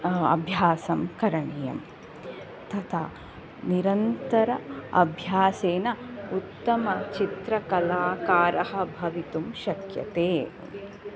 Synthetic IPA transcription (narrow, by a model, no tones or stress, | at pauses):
ɐ̰bʱjaːsɐmkɐɾɐɳijɐ̰m | t̪ɐt̪ʰa̰ː | niɾɐnt̪ɐɾɐɐ̰bʱjaːseːnɐut̪ːɐmɐt͡ʃit̪ɾɐkɐlaːkaːɾʔɐɦɐ̆bʱɐʋit̪umʃɐkjɐ̰t̪eː